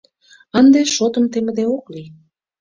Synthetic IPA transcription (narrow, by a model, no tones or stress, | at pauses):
ɑnd̪eʃot̪ə̆mt̪emə̆d̪eokli